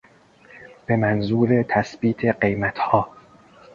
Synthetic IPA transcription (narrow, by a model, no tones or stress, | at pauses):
b̥e̞mænzuːɾet̪ʰæsbiːt̪ʰe̞ɢe̞jmæt̪hɒː